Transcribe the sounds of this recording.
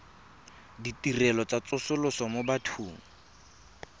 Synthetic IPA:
ditirɛlɔt͡sat͡sʊsʊlʊsɔmobatʰuːŋ̩

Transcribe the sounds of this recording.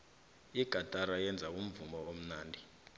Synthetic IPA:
iɡ̥ʱatʼaɾajɛnd͡zʱaum̩vumbɔom̩naːndʱi

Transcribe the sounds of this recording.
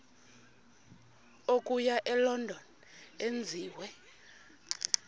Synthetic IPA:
ok̬ʼujaʔɛlɔndʱɔn | end͡zʱiːwɛ

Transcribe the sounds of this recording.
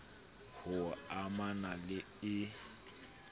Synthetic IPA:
hʊamanalɪ | ɪ

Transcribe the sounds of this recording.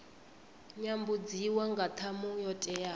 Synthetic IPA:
ɲambud͡ziwaŋɡat̪ʰamujɔtʼɛja

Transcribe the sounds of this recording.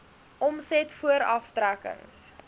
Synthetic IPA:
ʔɔmsɛtfuəɾɐftrækə̰ŋs

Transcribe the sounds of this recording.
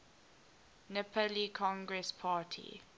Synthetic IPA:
nɪpʰəlikʰɔ̃ŋɡɹɛspʰaːtʰḭ

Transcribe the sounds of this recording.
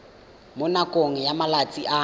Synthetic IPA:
mʊnakʼoŋ̩jamalat͡sʼiʔa

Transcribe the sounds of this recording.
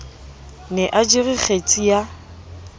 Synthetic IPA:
nɛʔad͡ʒiriχʰet͡sʼija

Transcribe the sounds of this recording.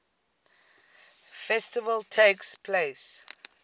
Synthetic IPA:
fɛstɪvəltʰekspʰles

